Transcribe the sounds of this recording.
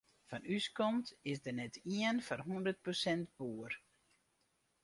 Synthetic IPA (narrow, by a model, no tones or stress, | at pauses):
fanyskɔmtɪsdənɛtʰiənfanɦundərt̚prosɛntb̥uər